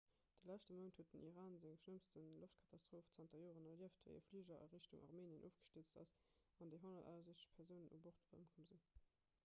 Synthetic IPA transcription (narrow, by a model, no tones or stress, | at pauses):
d̥əlæʃtəməntʰhuət̚dənʔiʁaːnzeŋʃnəmstənloftkʰɑtʰɑstʁ̥oːft͡sɑntɐjoːʁənɐliəftvḛɪʔəflyːʑɐʔə̰ʁiɕtuŋʔɑ̰ʁmeːniənʔo̰ːfɡ̥ə̥ʃtət͡stɑ̰svɑndeɪɦonɐta̰ːɐzeʃt͡sə̥ʃpʰɛʁzəʊnənʔṵboʁtə̰mkʰɔmzin